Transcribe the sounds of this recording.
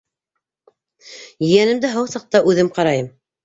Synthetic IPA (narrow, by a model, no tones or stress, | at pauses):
jɘ̆jænɘ̆md̪ɘɦɤwsɑq̚t̪ɑʔʉðɘmqɑɾɑjɤm